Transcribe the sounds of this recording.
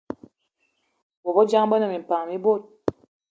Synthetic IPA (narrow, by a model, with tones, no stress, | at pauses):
bɔ˨bɔ˦d͡ʒa˦ŋbə˦nə˨mi˨m̩˨pa˨ŋ˨mi˦bo˦˨t̚